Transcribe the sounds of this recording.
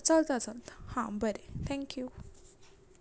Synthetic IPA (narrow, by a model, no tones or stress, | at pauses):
t͡səlt̪ət͡səlt̪hãbəɾet̪ʰɛ̃ŋkju